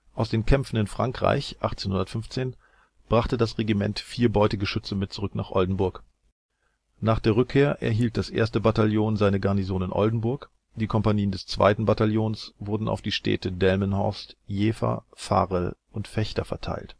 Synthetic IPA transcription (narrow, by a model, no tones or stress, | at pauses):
ʔaʊsd̥eːnkʰɛmfn̩ɪnfʁ̥aŋkʁ̥a̰ɪçʔa̰χt͡seːnhʊndɐtfʏɱft͡seːn | b̥ʁaχtədasʁeɡimɛ̰ntfiːɐbɔʏtɪɡəʃʏt͡səmɪt̚t͡suʁʏkna̰ːχʔɔldn̩bʊɐk | naːχd̥eːɐʁ̞ʏkʰːeːɐʔɛ̰ɐɦiːlt̚d̥asʔḛːɐstəbataljoːnzaɪnəɡaɐnizoːnɪnʔɔ̰ldn̩bʊɐk | d̥iːkʰɔmpaniːəndɛst͡sv̥a̰ɪtn̩bataljoːnsvʊɐdn̩ʔa̰ʊfd̥iːʃtʰɛ̰ːtədɛlmənhɔ̰ɐstjeːfa̰fa̰ːʁəl | ʊntfɛçtɐfɛɐtʰa̰ɪlt